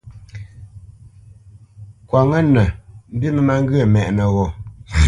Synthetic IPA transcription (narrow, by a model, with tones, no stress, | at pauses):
kwa˨ŋə˦nə˨m̩˦bi˦mə˦ma˦ŋ˦ɡɯ˦ə˨mɛ˨ʔnə˨ɣɔ˨